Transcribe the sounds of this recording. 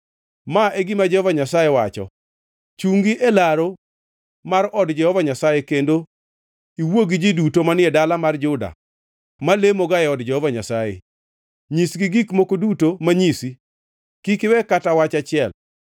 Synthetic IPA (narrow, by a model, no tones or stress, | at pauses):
maʔeɡimad͡ʒɛhɔvaɲasajewa̰t͡ʃɔ̰ | t͡ʃuŋɡiʔelaɾo | maɾɔdd͡ʒɛhɔvaɲasajekendo | iwoɡid͡ʒidutomanɪɛdalamard͡ʒʊda̰ | malemoɡajɛɔdd͡ʒɛhɔvaɲasajḛ | ɲisɡiɡikmokodutomaɲisi | kikɪwɛkatawat͡ʃat͡ʃɪɛl